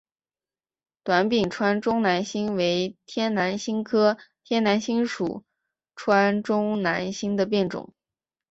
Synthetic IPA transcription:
t̪wa˧˥npi˨˩nʈ͡ʂʰwa˥nʈ͡ʂʊ˥ŋna˧˥nɕi˥ŋwe˧˥ɪt̪ʰjɛ˥nna˧˥nɕi˥ŋkʰɤ˥t̪ʰjɛ˥nna˧˥nɕi˥ŋʂṵ˨˩ | ʈ͡ʂʰwa˥nʈ͡ʂʊ˥ŋna˧˥nɕi˥ŋd̪ə˨p̬jɛ˥˩nʈ͡ʂʊ̰˨˩˦

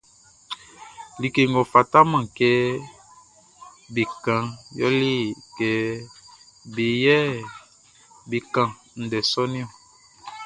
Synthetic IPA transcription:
li˨ke˨ŋɡo˨fa˨ta˦mã˨kɛ˦ | bi˨kã˨ŋjɔ̰˦li˦kɛ˨ | bi˨jɛ˦ | bi˨kã˨ | n̩˨dɛ˨sɔ˦ni˦ɔ˦˨

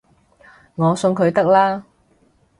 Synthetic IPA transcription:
ŋɔː˨˧sɵ˧ŋkʰɵ˨˧ɥt̪ɐ˥k̚laː˥

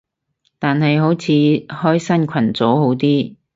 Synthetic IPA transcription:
t̪aː˨nɦɐ˨jɦo˨˥wt͡sʰiː˨˧˥hɔː˥jsɐ˥nkʰɐ˨˩nt͡so˨˥wɦo˨˥wt̪iː˥

